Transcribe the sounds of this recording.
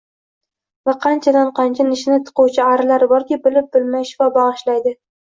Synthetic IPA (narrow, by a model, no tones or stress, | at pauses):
vaqʰɑnt͡ʃʰad̪anqʰɑnt͡ʃʰanɪʃɪnɪt̪ʰʊ̥qʰʊwt͡ʃʰɪaɾɪlaɾbɒɾkʲibɪlɪp̚b̥ɪlmajʃɪvabɑʁɨʃlajd̪ɪ